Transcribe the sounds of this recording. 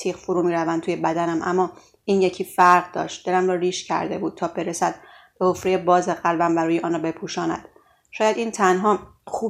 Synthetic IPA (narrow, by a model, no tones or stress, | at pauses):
t̪ʰiːqfoɾuːmiːɾævænt̪ʰuːje̞bæd̪ænæmʔæ̰mːɒː | iːnje̞cʰiːfæɾʁd̪ɒ̰ːʃt̪̚d̪e̞læmɾɒːɾiːʃcʰæ̰ɾd̪e̞̰buːd̪̚t̪ʰɒːbe̞ɾesæd̪̚b̥ehofɾejebɒːzeɣælbæmvæɾuːjeʔɒːnɔːbe̞pʰuːʃɒːnæ̰d̪̥ | ʃɒːjæd̪iːnt̪ʰænɦɒː | xuː